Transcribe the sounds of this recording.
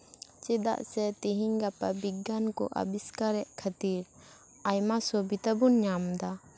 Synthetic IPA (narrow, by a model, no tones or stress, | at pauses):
t͡ʃɛd̪a̰ʔsɛt̪iɦiɲɡapabiɡankɔ̰ʔa̰biskaɾɛʔkʰat̪iɾ | ajmasɔbit̪abunɲamd̪a